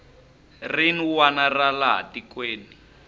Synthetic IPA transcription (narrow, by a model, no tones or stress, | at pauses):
riniwanaralaɦa̰dikweːni